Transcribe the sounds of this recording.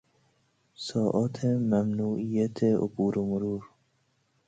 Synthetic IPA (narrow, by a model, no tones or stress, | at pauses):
sɔːʔɔːt̪ʰemæmnuːʔijæt̪ʰeo̰buːɾomʊɾuːɾ